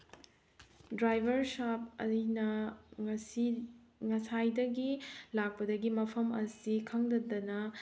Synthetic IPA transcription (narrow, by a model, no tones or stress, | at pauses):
dɾajbʱɐɾsap̚ɐ̰inɐŋɐsi | ŋɐsajdɐɡilak̚pɐdɐɡimɐpʰɐmɐsikʰɐŋdɐdɐnɐ